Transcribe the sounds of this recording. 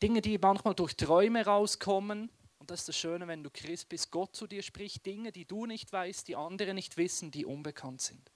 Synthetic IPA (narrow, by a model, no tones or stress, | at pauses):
d̥ɪŋədiːmɑnçmaːldʊɐçtʁ̥ɔʏməʁaʊskʰɔmən | ʊn̩td̥ɑsɪstd̥ɑsʃøːnəvɛnduːkʁ̥ɪst̚b̥ɪst̚ɡ̥ɔt̚t͡sudiːɐʃpʁ̥ɪçt̚d̥ɪŋəd̥iːd̥uːnɪçtv̥aɪstd̥iːʔɑndəʁənɪçtv̥ɪsn̩diːʔʊnbəkʰɑntz̥ɪnd